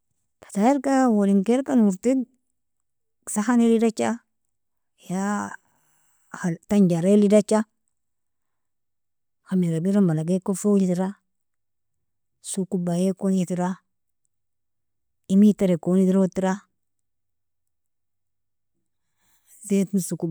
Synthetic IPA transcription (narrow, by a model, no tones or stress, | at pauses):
pḁtajeɾkawoliŋkeɾpanuɾti | saxanelidat͡ʃa | ja | ataɲd͡ʒaɾelidat͡ʃa | xamiɡabiɾombalaɡekofojitiɾa | sukubajekonjitiɾa | imitaɾekonidiɾotiɾa | setnsuku